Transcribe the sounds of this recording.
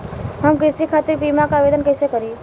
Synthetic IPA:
ɦəmkɪsikʰat̪iɾpimakaːʋed̪ənkəjsekəɾi

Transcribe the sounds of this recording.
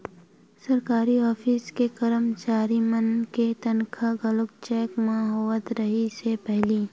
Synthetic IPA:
sɐɾkaːɾiɔːfʰiskekɐɾəmt͡ʃaːɾimənket̪ɐnkʰaɡɐlʊkt͡ʃɛːkmaɦoːət̪ɾɐɦisepɛɦliː

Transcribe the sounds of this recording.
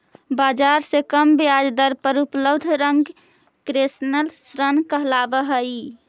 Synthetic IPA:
bad͡ʒaɾsẽkəmbead͡ʒd̪əɾpəɾupləbd̪ʱɾəŋɡ | kɾesnəlsɾənkəɦlabəɦəi

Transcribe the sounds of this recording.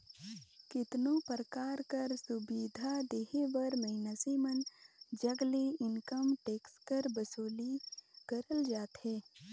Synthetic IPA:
kɪt̪nõpəɾəkaːɾkəɾsʊbiːd̪ʱad̪eːɦeʋəɾməɪnəsemənd͡ʒəɡleɪnkəmʈeːkskəɾbəsoːliɡ̥əɾəld͡ʒaːt̪ɦɛː

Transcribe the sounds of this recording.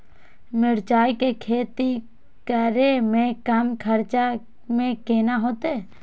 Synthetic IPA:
mɪɾt͡ʃaːikekʰeːt̪i | kəɾemẽkamkʰəɾt͡ʃa | mẽkeːnaɦoːt̪eː

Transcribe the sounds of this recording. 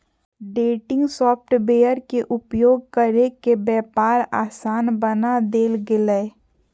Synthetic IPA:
ɖeːʈɪ̃ŋɡsɔːp̚ʈbeːjəɾkeʔʊpjoːɡ̚kəɾekebjɛːpaːɾa̰ːsaːnbənad̪eːlɡɪleː

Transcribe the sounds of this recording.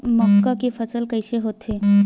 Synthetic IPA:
mɔkːakefʰəsəlkəɪseɦoːt̪ɦeː

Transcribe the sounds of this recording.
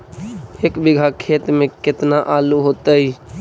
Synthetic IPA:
eːkbɪɡʱakʰeːt̪mẽkɪt̪naʔaluɦoːt̪əi

